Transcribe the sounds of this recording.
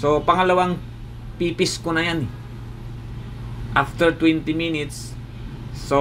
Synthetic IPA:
sopaŋalawaŋ | pipiskunajani | ʔaft̪ərt̪wɛnt̪iminit̪sː | o

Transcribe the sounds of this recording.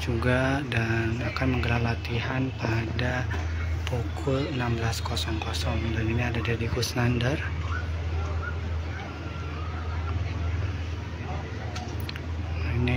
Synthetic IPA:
d͡ʒuɡadanakanməŋɡəɾalat̪iɦanpada | pokʰʊlənambəlaskɔsɔŋkɔsɔŋdaniniadadadiɡusnandər | ini

